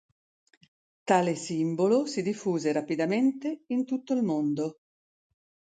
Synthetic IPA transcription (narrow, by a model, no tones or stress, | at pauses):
t̪aːlesimbolosid̪ifːuːzeɾapid̪ament̪eint̪ut̪ːoilmond̪o